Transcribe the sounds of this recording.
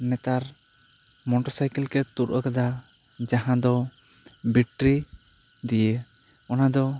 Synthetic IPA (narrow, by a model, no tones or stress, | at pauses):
nɛt̪aɾ | mɔʈɔɾsajkɛlkɛt̪uɾʔɔ̰kad̪ad͡ʒaɦãd̪ɔ | biʈɾid̪ije | ɔnad̪ɔ